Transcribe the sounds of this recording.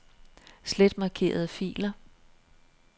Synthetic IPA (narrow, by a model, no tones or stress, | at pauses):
sled̥mɑ̈kʰe̝̰ːɐð̞̩ˠfḭːlɐ